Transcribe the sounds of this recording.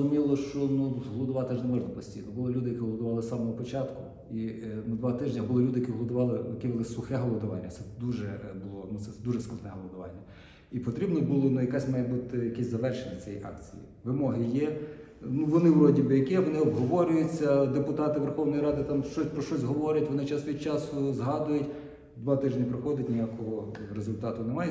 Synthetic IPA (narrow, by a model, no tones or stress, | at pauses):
ʊmʲilˠɔʃt͡ʃɔnut̪uɦlˠɔd̪ʊʋɑt̪ɪʒnɛmɔʒnɐpɔsʲtʲijnɔbʊlˠɔlʲud̪ɪjɐkiɦlˠɔd̪ʊʋɑlˠɪsɑmɔɦɔpɔt͡ʃɑt̪kʊ | inud̪ʋɑt̪ɪʒnʲɐbʊlˠɔlʲud̪ɪjɐkʲiɦlˠɔd̪ʊʋɑlˠɪjɐkʲibɪlˠɪsʊxɛɦɔlˠɔd̪ʊʋɑ̰nʲːɐ̰t̪sɛd̪uʒɛbʊlˠɔnut̪sɛd̪uʒɛsklˠɐd̪nɛɦɔlˠɔd̪ʊʋɑ̰nʲːɐ | ipɔt̪ɾʲibnɔbulˠɔnujɐkɑsʲmɑjɪd̪but̪ɪjɐkɛsʲzɐʋɛrʃenʲɐt͡sʲɛjɛ̰jʔɑ̰k̚t͡sʲḭjḭʋɪmɔɦɪjɛ | nuʋɔnɪʋɾɔdʲibɪjɐkɪʋɔnɪɔbɦɔʋɔɾʲʊjʊt͡sʲːɐd̪epʊt̪ɑt̪ɪʋerxɔwnɔjɾɑd̪ɪt̪ɑmʃt͡ʃɔsʲpɾɔʃt͡ʃɔsʲɦɔʋɔɾʲɐtʲʋɔnɪt͡ʃɑsʋʲit͡ʃɑsʊzɦɑd̪ʊjʊtʲ | d̪ʋɑt̪ɪʒnʲɐpɾɔxɔdʲɐtʲnʲɪjakɔɦɔɾezʊlʲt̪ɑt̪ʊnemɑj